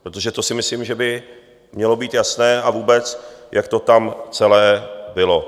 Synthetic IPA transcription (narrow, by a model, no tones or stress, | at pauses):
pɾot̪oʒɛt̪o̞sɪmɪslimʒɛbɪ | mɲɛlo̞biːt̪jasnɛːavuːbɛt͡sjʔak̚t̪o̞t̪amt͡sɛlɛːbɪlo̞